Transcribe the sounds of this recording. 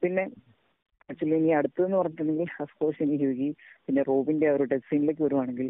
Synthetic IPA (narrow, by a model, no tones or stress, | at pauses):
pinːe̞ | ɐt͡ɕːuɐlːiniɐɽut̪ːɨenːɨpɐrɐɲːunːeŋɡilɐskoːɕiniɦiʋiɣipinːe̞roːbindeɐɐɾuʈɐksiːnileːkːɨʋɐɾuʋaːɳe̞ŋɡil